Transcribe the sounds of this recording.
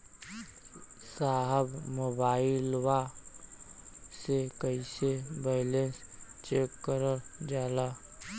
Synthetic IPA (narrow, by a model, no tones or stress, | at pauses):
saːɦəbmoːbaːilwa | sekəisebɛlenst͡ʃeːkːəɾəɾd͡ʒaːla